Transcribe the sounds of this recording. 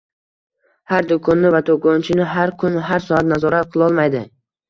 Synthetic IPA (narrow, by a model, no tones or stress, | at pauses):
haɾd̪ʊkʰɒnːɪvat̪ʰokɒnt͡ʃʰɪnɪɦaɾkʰʊnɦaɾsɒat̪nazɒɾat̪̚qʰɨlˠɒlˠmajd̪ɪ